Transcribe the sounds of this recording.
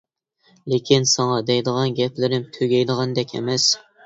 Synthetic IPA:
lekʲʰinsɑŋɑd̪ɛjd̪əʁɑnɡʲɛplɪɾɪmt̪ʰøɡʲɛjd̪əʁɑnd̪ɛkʲʰɛ̰mɛs

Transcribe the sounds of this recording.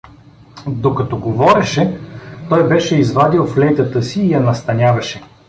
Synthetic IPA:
d̪okɐt̪ɔɡovɔɾɛʃɛt̪ɔjbɛʃɛizvad̪ilˠflɛjt̪ət̪əsiːjɐnɐst̪ɐnʲavɐʃɛ

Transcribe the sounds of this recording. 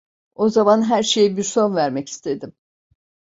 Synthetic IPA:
o̞zamanɦæɾʃe̞jibiɾso̞nvæɾmɛci̥st̪ʰe̞d̪im

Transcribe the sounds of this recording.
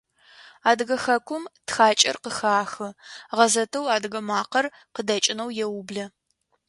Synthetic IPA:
aːdɨɣɐxɐkʷʰʊmtxaːt͡ʃʼɐ̰rqəxaːxɨʁɐzɐtʰɐwaːdɨɣɐmaːqɐr | qədɐt͡ʃʼɪnɐwjɛwʊbɮɐ

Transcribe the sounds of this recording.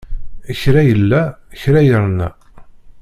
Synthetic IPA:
əçɾæjəlːæəçɾæjəɾˤnæ̰

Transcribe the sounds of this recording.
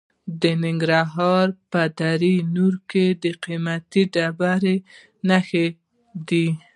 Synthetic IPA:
d̪ənɪŋɡɾaɦɑɾpəd̪aɾinuɾked̪əqimat̪iɖabaɾe | naxe | d̪i

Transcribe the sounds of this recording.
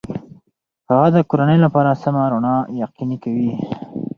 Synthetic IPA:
haɣad̪əkoɾanəjlapɑɾasamaɾonɑjaqinikawi

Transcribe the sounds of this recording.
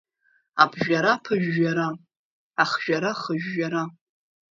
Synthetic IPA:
abʒᶣaɾapʰɨʒːaɾa | aχʒ̥aɾaχəʒᶣːaɾa

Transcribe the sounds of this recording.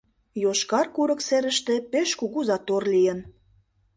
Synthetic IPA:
joʃkɑrkuɾə̆kseɾə̆ʃt̪ĕpeʃkuɣuzɑt̪orlijən

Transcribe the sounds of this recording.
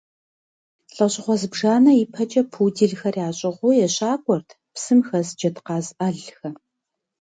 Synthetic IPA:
ɬʼɐɕʼɪχʷɔzɨbʒaːnɐipʰɐt͡ʃʼɐpʰuːdiɮxɐrjaːɕʼɪʁʷʊjɛɕʼaːkʷʼɔrtʰ | psɨmxɐzd͡ʒɐtqɑːzɐɮxɐ

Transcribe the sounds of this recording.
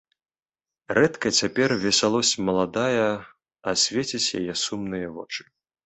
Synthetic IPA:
rɛt̪kɐt͡sʲapʲɛrvʲɛsʲalˠɔsʲmɐlˠad̪ajɐ | ɐsʲvʲet͡sʲit͡sʲja̰jɛsumnɨjɐvɔ̰t͡ʂɨ̥

